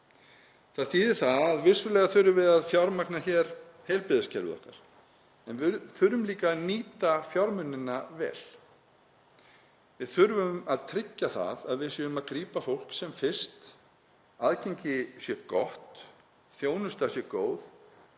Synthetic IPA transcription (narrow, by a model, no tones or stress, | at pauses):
θaðθiːðɪθaðaðvɪ̥sʏlɛːɣaθʏɾʏvɪðaðfjawɾmaknaçɛɾhejlpɪðascɛɾʏ̰ɔ̰hkaɾ̥ | ɛnvʏθʏɾʏmliːkaniːt̪afjawɾmʏnːɪnːavɛ̰ːl̥ | vɪðθʏɾvʏmaðt̪ʰɾɪcːaθa̰ðaðvɪðsjɛʏmaðkɾiːpafowl̥ksɛmfɪ̥st̪ | aðcejɲcɪsjɛkɔ̰ht̪ | θjoːwnʏst̪asjɛkoːwð